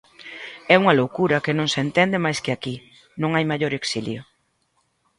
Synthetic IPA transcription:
ɛuŋɐlowkuɾɐkɪnõŋsent̪ɛnd̪ɪmajskɪaki | nõŋajmaʎoɾeksiljʊ

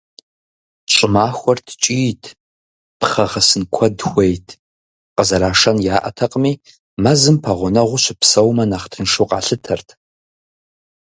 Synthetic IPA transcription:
ɕʼɪmaːxʷɔrtʰt͡ʃʼiːtʰ | pχɐʁɐsɨnkʷʰɔdxʷejtʰ | qəzɐɾaːʂɐnjaːʔɐ̰tʰɐqʼəmiː | mɐzɨmpʰɐʁʷʊnɐʁʷʊɕɪpsɐwmɐnaχtʰɨnʂowqʼɑ̰ːɬɨtʰɐrtʰ

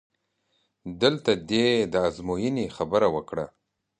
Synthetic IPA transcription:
d̪əlt̪ad̪ed̪əazmojinixabəɾawəkɽa

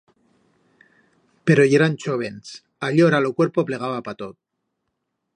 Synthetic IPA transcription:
pe̞ɾojeɾant͡ʃoβens | aʎoɾalokwe̞ɾpople̞ɣ̞aβapat̪ot̪̚

